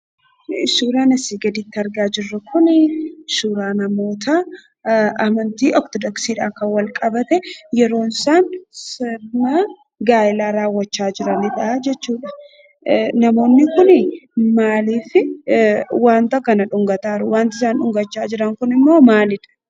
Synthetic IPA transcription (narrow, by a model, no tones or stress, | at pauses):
suːɾaːnɐsiːɡɐd̪it̪ːɐɾɡaːd͡ʒɪrːɐkʊnɪsuːɾaːnɐmo̞ːt̪ʰɐ | ɐmɐnt̪iːʔɔk̚t̪ɔd̪ɔksiːᶑaːkɐwɐlkʼɐbɐt̪ɛjɛɾo̞ːnsaːnsɪna | ɡaːɪlaːɾaːwːɐt͡ʃːaːd͡ʒɪɾɐnɪᶑɐd͡ʒɛt͡ʃːuːᶑɐ̥ | nɐmo̞ːnːɪkʊnɪmaːliːfɪ | waːnt̪ɐkɐnɐᶑʊŋɡɐt̪aːɾʊwaːnt̪ɪsaːnᶑʊŋɡɐt͡ʃːaːd͡ʒɪɾɐŋkʊnɪmːo̞ːmaːlɪᶑɐ̥